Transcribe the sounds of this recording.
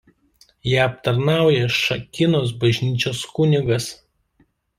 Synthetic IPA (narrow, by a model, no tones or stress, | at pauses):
jæːɐp̚t̪ɐɾnɑˑʊjɛʃɐkʲɪnoːs̬bɐʒʲnʲiːt͡ʃʲoːskʊnʲɪɡɐs